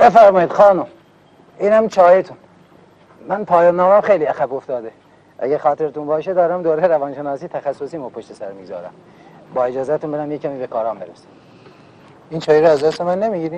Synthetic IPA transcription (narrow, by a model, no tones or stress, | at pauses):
befæɾmɒːjiːd̪̥xɒːnum | iːnhæmt͡ʃʰɒːjet̪ʰun | mænpʰɒːjɑːnːɒːmæmxejliːæxæboft̪ɒːd̪e | ʔæ̰ɟæɾxɒːt̪ʰe̞ɾet̪unbɒːʃed̪ɒːɾæmd̪oːɾejɾævɒːnʃe̞nɒːsiːt̪ʰæxæsːosiːmopʰoʃt̪esæɾmiːɡzɒ̰ːɾæ̰m | bɒːe̞d͡ʒɒːzæt̪unbed̪æmjecʰːæmiːbekʰɒːɾɒːmbeɾesi̥ | iːnt͡ʃʰɒːjeɾoæzd̪æst̪emænːemiɟiːɾiːm